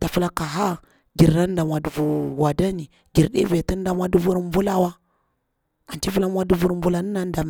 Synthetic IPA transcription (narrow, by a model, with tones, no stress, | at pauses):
ta˨fu˦la˦ka˨ɦa˦ | ɡi˨ɾɾa˦nda˨mwa˨du˨vu˨wa˨da˦ni˨ | ɡi˨ɾɗḛ˦ve˨tə˦n˦da˦mwa˦du˦vu˦ɾm˦vu˦la˦wa˦ | a˨nt͡ʃi˦fu˦la˦m˦wa˦du˦vu˦ɾm˦vu˦la˦nə˦na˦n˦da˨m˨